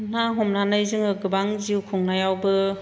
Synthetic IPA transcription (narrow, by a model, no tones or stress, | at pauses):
naɦɔmnanajzɯŋɯɡɯbaŋziwkʰɔŋnajawbɯ